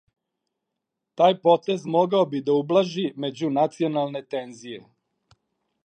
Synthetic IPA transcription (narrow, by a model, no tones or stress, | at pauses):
t̪aːjpo̞t̪e̞zmo̞ɡaobid̪aublˠaʒime̞d͡ʑunat̪sio̞nalˠne̞t̪e̞nzije̞